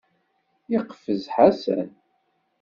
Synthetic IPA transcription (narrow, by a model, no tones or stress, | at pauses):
jiqfəzħasæ̰n